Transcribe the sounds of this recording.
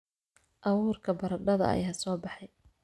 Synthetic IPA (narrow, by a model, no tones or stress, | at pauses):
ʔɑwuːrkʰɐbɐɾɐɖɐðɐ̰ʔɐ̰jaːsɔːbɑħɑj